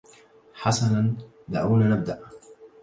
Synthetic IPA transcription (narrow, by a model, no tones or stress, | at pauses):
ħasanan | d̪aʕuwnanab̚d̪aʔ